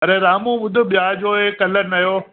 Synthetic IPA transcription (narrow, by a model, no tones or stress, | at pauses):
ɐɾeːɾaːmũʋʊd̪ʱʊ̆ɓijaːd͡ʑoːeːkɐlənɐjoː